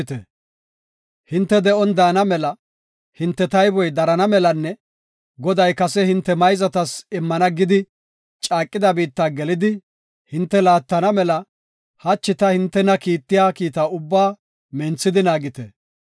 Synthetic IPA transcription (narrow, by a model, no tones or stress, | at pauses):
t̪ɛ̰ | hɪnt̪ːɛd̪ɛɔnd̪aːnɐmɛlɐ | hɪnt̪ːɛt̪ɐjbɔjd̪ɐɾɐnɐmɛlɐnːɛ | ɡɔd̪ɐjkɐsɛhɪnt̪ːɛmɐjzɐt̪ɐsɪmːɐnɐɡɪd̪ɪ | t͡ʃʼaːkʼːɪd̪ɐbiːt̪ːaːɡɛlɪd̪ɪ | hɪnt̪ːɛlaːt̪ːɐnɐmɛlɐ | hɐt͡ʃːɪt̪ɐhɪnt̪ːɛnɐkiːt̪ːɪjaːkiːt̪aːʊbːaː | mɛnt͡sːɪd̪ɪnaːɡɪt̪ɛ